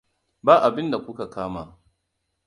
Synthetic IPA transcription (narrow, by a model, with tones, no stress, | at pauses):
baː˦ʔa˨bɪ˦nda˨kʷʊ˦ka˨kaː˦maː˨